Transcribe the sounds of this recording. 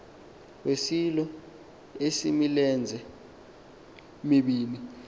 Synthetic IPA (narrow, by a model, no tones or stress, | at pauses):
wesilɔ | esimilɛnd͡zʱɛ | miɓiːli